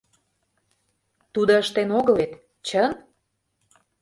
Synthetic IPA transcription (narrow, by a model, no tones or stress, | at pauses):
t̪ud̪oəʃt̪enoɣəlet̪ | t͡ɕən